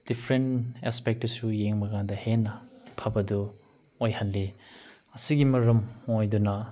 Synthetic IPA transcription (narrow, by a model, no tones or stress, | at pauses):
d̥ipʰɾentespek̚tɐsujeŋmɐɡandɐhenːɐpʰɐbɐdu | ojhɐnli | ɐsiɡimɐɾɐmojdunɐ